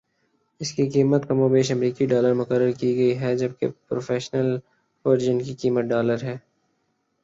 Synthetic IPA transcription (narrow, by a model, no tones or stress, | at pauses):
ɪskikiːmət̪kɐmobeːʃɐmɾiːkiɖaːləɾmʊkəɾːəɾkiɡɐiɦɛd͡ʒɐb̚kḛpɾoːfeːʃnəl | foɾɪd͡ʒənkikiːmət̪̚ɖaːləɾɦɛː